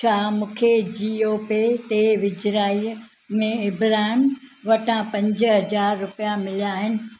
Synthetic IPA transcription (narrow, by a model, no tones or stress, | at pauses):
t͡ɕʰaːmũːkʰed͡ʑiːoːpet̪eʋɪd͡ʑɾaːi | mẽɪbɾaːɪmʋɐʈʰãpɐ̃ɲd͡ʑəɦɐzaːɾːʊpijamɪljaːɦɪnɪ̆